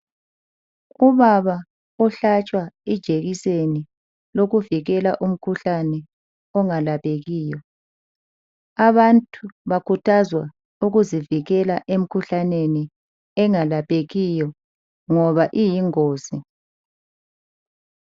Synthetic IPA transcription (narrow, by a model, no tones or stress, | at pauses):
uβaβa | ɔɬat͡ʃʼwaid̥ʒ̥ʱeɣiseni | loɣuviɣɛlaʔum̩kʰuɬanɛ | ɔŋalapʰʼeɣiːjɔ | aβantʰʼuβakʰutʰazwa | uɣuziviɣɛlaʔem̩kʰuɬaneni | ɛŋalapʼeɣijɔ | ŋɔβaʔijiŋoːzi